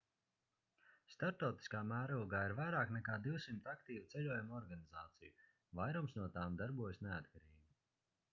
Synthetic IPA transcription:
st̪aɾt̪ɔwt̪i̥skaːmæːɾulˠɡaːiɾvajɾaːknɛkaːd̪iwsimt̪akt̪iːvut̪sɛʎʲuɔjumɔɾɡanizaːt̪siju | vajɾɔmsnuɔt̪aːmd̪aɾbuɔjsneat̪̚kaɾiːɡi

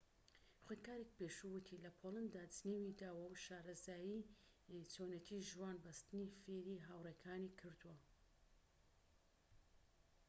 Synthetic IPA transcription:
xʷod̪kaːɾek̚peːʃuwɨt̪ʰilɐpʰolˠand̪aːd͡znewid̪aːwɐwʃaːɾɐzaːji | t͡soːnet̪ʰiʒwaːnbɐst̪ɨnifeːɾiɦawrekʰaːnikʰɨɾd̪uwɐ

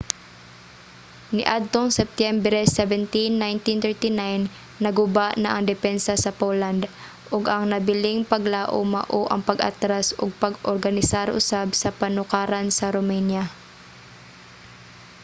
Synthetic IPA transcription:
nɪ̰ʔad̪̚t̪oŋsɛp̚t̪jɛmbɾɛsɛvɛnt̪inːajnt̪int̪ɛɹt̪inajnː | ɐɡʊbaʔnɐʔɐŋd̪ɛpɛnsɐsɐpoland̪ | ʔʊɡɐŋnɐbɪlɪŋpɐɡlaːʔo̰mɐ̰ʔoʔɐŋpɐɡʔɐ̰t̪ɾasʊɡ̚pɐɡoɾɡɐnɪsaɾʔʊ̰sabsɐpɐnʊkaːɾansɐɾomɛnja

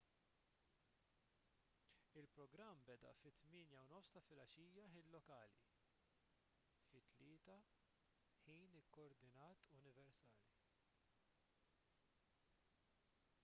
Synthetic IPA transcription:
ɪlpɾɔɡɾɐmːbɛd̪ɐ̰ʔfɪt̪mɪːnjɐwnɔfst̪ɐfɪlɐʃiːjɐħiːnlɔkɐːlḭ | fɪt̪ːlɪːt̪ɐ | ħiːnɪkːɔɔɾd̪ɪnɐːt̪ʊnɪvɛɾsɐːli

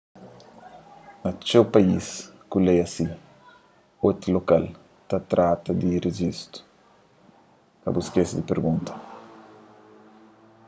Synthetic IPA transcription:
nɐt͡ʃewpɐiskulejɐsi | ot̪ɾilokal | t̪at̪ɾat̪ɐd̪ireʒist̪u̥ | kɐ̰buskesid̪ipeɾɡũnt̪ɐ̥

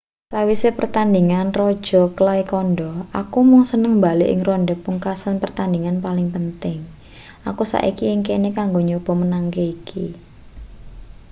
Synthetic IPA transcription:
sawisepərt̪and̪iŋanrɔd̥ʒ̥ɔ̤klaikɔnɖɔʔakumɔŋsənəŋmbaleʔɪ̰ŋrɔɳɖɛpuŋkasənpərt̪and̪iŋanpalɪŋpənt̪ɪŋ | akusa̰ʔḭkiɪŋkenekaŋɡoɲob̥ɔ̤mənaŋkeikʰi

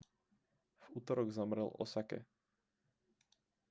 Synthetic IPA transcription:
v̥uːt̪ɔɾɔɡzamɾɛlɔ̰sakɛ̰

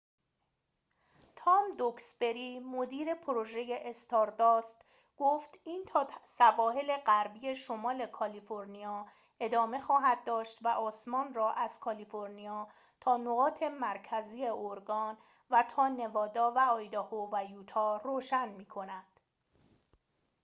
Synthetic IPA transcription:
t̪ʰɒːmd̪oksbe̞ɾimod̪iːɾe̞pʰoɾoʒeje̞ʔːst̪ɒɾd̪ɒːst̪ | ɡ̥oːft̪iːnt̪ʰɒːsævɒːɦe̞le̞ɢæɾbije̞ʃomɒːle̞kʰɒlifo̞ɾnijɒː | e̞d̪ɒːme̞xɒːɦæd̪̚ːɒːʃt̪væʔɒːsmɒːnrɒːʔæz̥kʰɒlifoɾnijɒː | t̪ʰɒːnoɣɒːt̪ʰe̞mæɾcʰæziːe̞ʔoɾɡɒːn | væt̪ʰɒːne̞vɒːd̪ɒːvæɒːjd̪ɒhovæjuːt̪ʰɒːroːʃænmiːkʰo̞næd̪̥

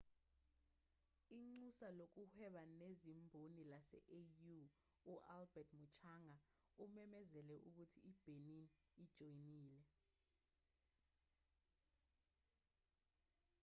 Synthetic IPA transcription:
iŋ͡ǀusalok̬uhɛɓanezimbʱonilasɛ̰ʔeju | uʔalbɛtʰmut͡ʃʰaŋa | umɛmɛzɛlɛʔuk̬utʰiːb̥ʱenin | id̥ʒ̥ʱojniːlɛ

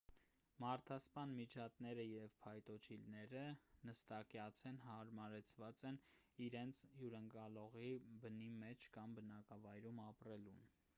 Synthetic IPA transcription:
mɑɾt̪ʰɑspɑnmit͡ʃʰɑt̪nɛɾəjɛvpʰɑjt̪ɔt͡ʃʰilnɛɾənəst̪ɑkɛɑt͡sʰɛnɦɑɾmɑɾɛt͡sʰvɑt͡sɛniɾɛnt͡sʰhjuɾəŋkɑlɔʁibənimɛt͡ʃʰkɑmbənɑkɑvɑjɾumɑprɛlun

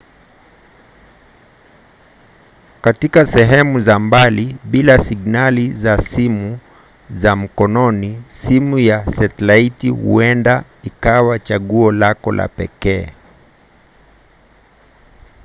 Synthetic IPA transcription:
katikasɛɦɛmuzambaliɓilasiɠnalizasimu | zam̩kɔnɔnisimujasɛtlaitihṵɛnda | ikawat͡ʃaɠuɔlakɔlʔa̰pɛkɛː

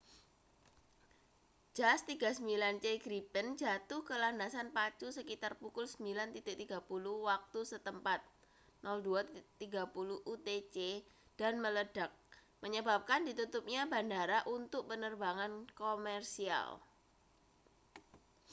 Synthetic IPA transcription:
d͡ʒ̥ast̪iɡasəmbilant͡ʃeɡɾipənd͡ʒat̪ʊhkəlandasanpat͡ʃusəkit̪arpukʊlsəmbilant̪idɪʔ̚t̪iɡapuluwak̚t̪usət̪əmpat̪̚ | nɔlduat̪iɡa̤puluʔut̪et͡ʃed̥anmələd̥ak̚ | məɲəbap̚kandit̪ut̪up̚ɲabandaɾaʔunt̪ʊk̚pənərbaŋankomɛrsia̰l

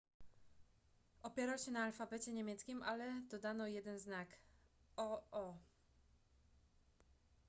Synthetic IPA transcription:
ɔpʲjɛɾawɕɛnaːlfabɛt͡ɕɛɲɛmʲjɛt̪skʲimʔalɛd̪ɔd̪anɔjɛd̪ɛnznakɔɔ

